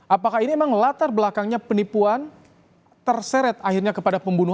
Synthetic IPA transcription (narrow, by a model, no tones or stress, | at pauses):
ʔapakahinimemaŋlat̪arbəlakaŋɲapənipuan | t̪ərsɛɾɛt̪̚ahirɲakəpadapəmbunu